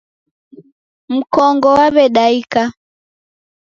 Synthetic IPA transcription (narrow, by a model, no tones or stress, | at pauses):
m̩kɔŋɡɔwaβɛɗaika